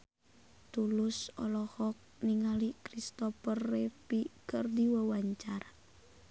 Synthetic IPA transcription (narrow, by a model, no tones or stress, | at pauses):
t̪ulusɔ̰lɔhɔk̚niŋalikɾist̪ɔfərɛpikɨrdiwəwaɲt͡ʃara